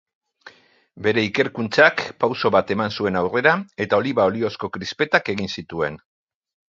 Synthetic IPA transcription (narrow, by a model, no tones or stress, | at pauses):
be̞ɾe̞ike̞ɾkunt͡sakpawso̞βat̪e̞mansue̞nawre̞ɾae̞t̪ao̞liβao̞lio̞sko̞kɾispe̞t̪ake̞ɣ̞insit̪ue̞n